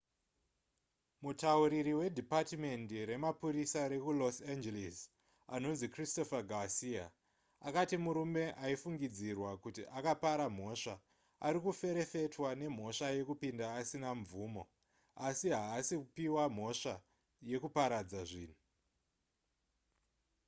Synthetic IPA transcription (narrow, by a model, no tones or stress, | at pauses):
mutauɾiɾiwe̞dʱipatme̞ndiɾe̞mapuɾisaɾe̞kulosend͡ʒelis | ano̞nzikristo̞faɡʱasia | akatimuɾume̞ʔaifuŋɡid͡zirwakutiʔakapaɾam̤o̞ʂa | aɾikufe̞ɾe̞fe̞twane̞m̤o̞ʂaje̞kupindaːsinaɱvuːmo̞ | asiɦaːsikupiwam̤o̞ʂa | je̞kupaɾad͡zaʐiːn̤u